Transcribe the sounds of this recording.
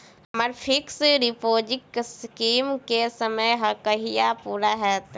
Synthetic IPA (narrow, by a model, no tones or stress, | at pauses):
ɦɐmaɾpʰɪksɾɪpoːd͡ʒɪkskiːmkesəməjɦɐkəɦijapuːɾaɦɛːt̪